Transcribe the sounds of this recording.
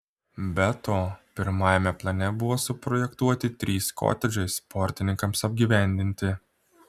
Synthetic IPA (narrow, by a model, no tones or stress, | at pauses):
bʲɛt̪oːpʲɪɾmɑːjɛmʲɛplˠɐnʲɛbʊʋoːsʊpɾɔjɛkt̪uɔt̪ʲɪt̪ʲɾʲiːsko̰ːt̪ʲɛd͡ʒʲɛɪspɔɾʲt̪ʲɪnʲɪŋkɐmsɐbʲɡʲiʋʲæˑnʲd̪ʲɪnʲt̪ʲɪ